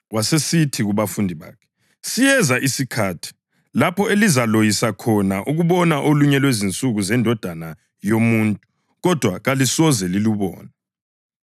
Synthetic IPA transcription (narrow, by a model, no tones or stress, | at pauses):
wasesitʰiɣuβafundʱiβa̰ːkʰɛ̥ | sijɛzaʔisikʰaːtʰi̥ | lapʰɔelizalojisakʰɔnaʔuɣuβɔnaʔoluɲɛlwezint͡sʼuɣuzɛndʱɔd̥ʱana | jomuːntʼu | ɣɔd̥ʱwaɣalisɔzɛliluβɔ̰ːnɛ